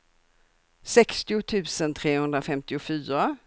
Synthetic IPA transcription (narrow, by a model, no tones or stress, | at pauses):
sɛkst̪ɪʊt̪ʰʉ̟ːsənt̪ʰɾeːhɵnd̪ɾafɛmt̪ɪʊfyːɾa